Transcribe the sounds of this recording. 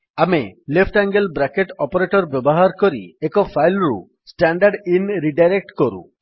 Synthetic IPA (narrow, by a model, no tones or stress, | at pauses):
amelepʰʈaŋɡelbɾakeʈɔpɔɾeʈɔɾbjɔbɔɦaɾkɔɾiekɔpʰajlɾṵ | sʈaɳɖaɾɖinɾiɖajɾek̚ʈkɔɾṵ